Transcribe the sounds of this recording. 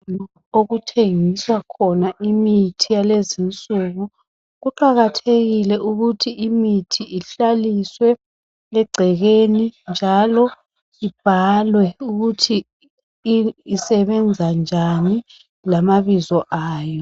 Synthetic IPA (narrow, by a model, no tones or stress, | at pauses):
oɣutʰeŋiswakʰɔnaʔimitʰijalezint͡sʼuɣu | ɣuǃaɣatʰeɣilɛʔuɣutʰiʔimitʰiʔiɬaliswɛ | lɛɡ͡ǀʱɛɣenind͡ʒʱalɔ | ib̥ʱalwɛuɣutʰi | sɛβɛnd͡zʱand͡ʒʱani | lamaβizɔʔaːjɔ